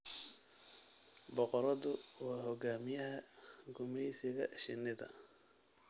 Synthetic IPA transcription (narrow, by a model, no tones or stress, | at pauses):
bɔqɔɾɐðʊwɑːɦɔɡaːmɪjɐɦɐɡʊmɛsɪɣɐ̰ʃɪ̰nːɪðɐ̰